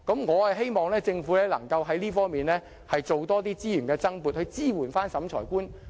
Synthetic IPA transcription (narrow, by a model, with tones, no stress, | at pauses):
kɐ˨˥mŋɔː˨˧hɐ˨jɦe˥jmɔː˨ŋlɛː˥t͡sɪ˧ŋfu˨˥lɛː˥lɐ˨˩ŋkɐ˧wɦɐ˨˥jliː˥fɔː˥ŋmiː˨nlɛː˥ | hɐ˨jt͡so˨wt̪ɔː˥t̪iː˥t͡siː˥jyː˨˩nkɛː˧t͡sɐ˥ŋpuː˨t̚hɵ˧ɥt͡siː˥wuː˨˩nfaː˥nsɐ˨˥mt͡ʃʰɔ̰ː˨˩jkuː˥n